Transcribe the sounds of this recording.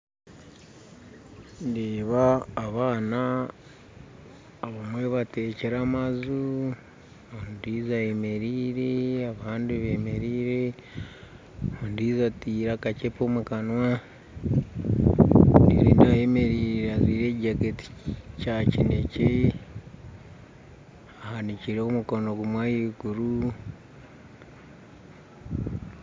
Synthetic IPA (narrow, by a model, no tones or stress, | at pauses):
ndeːβaːβaːna | βamwe̞βateːceɾamazu | ondiːzajeme̞ɾiːɾeaβaːndiβeme̞ɾiːɾe | ondiːzatiːɾakacepomukanwa | ndḭɾḭːndajeme̞ɾiːɾeaziːɾeːɟaketi̥cacinece | ahaniciɾeomuko̞noɡumwaːjiɡuɾu